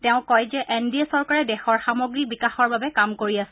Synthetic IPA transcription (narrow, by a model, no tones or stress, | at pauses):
tɛʊ̃kɔjzɛʔɛndiesɔɹkaɹɛdɛxɔɹxamoɡɹibikaxɔɹbabɛkamkoɹiasɛ